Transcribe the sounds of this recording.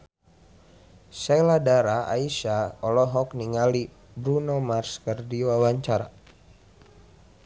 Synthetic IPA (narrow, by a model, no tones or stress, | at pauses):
sɛladaɾaa̰iʃaɔlɔɦɔkniŋali | bɾunomarskərdiwawaɲt͡ʃaɾa̰